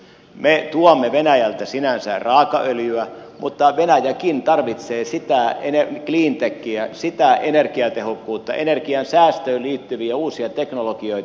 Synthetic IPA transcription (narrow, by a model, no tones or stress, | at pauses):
met̪uɑmːeʋenæjælt̪æsinænsæ̰rɑːkɑʔøljyæmut̪ːɑʋenæjækint̪ɑrʋit̪seːsit̪æenekliːnt̪ekːiæsit̪æʔenerkiɑt̪ehokːuːt̪ːɑ̰ʔḛnerkiɑnsæːst̪øːliːt̪ːyʋiæuːsiɑt̪eknolokioi